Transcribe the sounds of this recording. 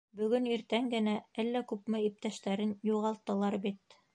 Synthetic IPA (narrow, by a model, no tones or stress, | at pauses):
bɵ̆ɡɵniɾt̪æŋɡɘ̆næælːækʉpmɘip̚t̪æʃt̪æɾɘnjuʁɑlˠt̪ːɤ̆lˠɑɾbit̪